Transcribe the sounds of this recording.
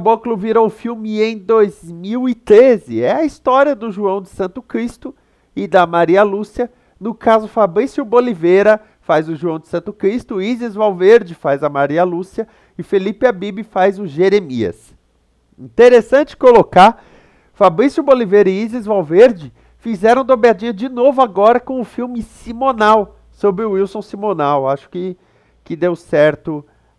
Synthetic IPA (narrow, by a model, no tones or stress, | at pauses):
bokluviɾowʊfiwmɪẽj̃d̪ojzmiwɪt̪ɾezɪɛɐist̪ɔɾiɐd̪ʊʒuɐ̃w̃d͡ʒɪsɐ̃nt̪ʊkɾist̪ʊ | ɪd̪ɐmaɾiɐlusiɐ | nʊkazʊfabɾisjʊbolivejɾɐ | fazʊʒuɐ̃w̃d͡ʒɪ̥sɐ̃nt̪ʊkɾist̪ʊizɪzvawveɾd͡ʒɪfajzɐmaɾiɐlusiɐ | ɪfelipɪabibɪfajzʊʒeɾemiɐ̰s | ḭ̃t̪eɾesɐ̃t͡ʃɪ̥koloka | fabɾĩsjʊbolivejɾɐɪizɪzvawveɾd͡ʒɪ | fizɛɾɐ̃w̃d̪obɾad͡ʒĩɲɐd͡ʒɪnovʊaɡɔɾɐkõʊfiwmɪsimonaw | sobɾɪʊiwsõw̃simonawaʃʊ̥kɪ | kɪd̪ewsɛɾt̪ʊ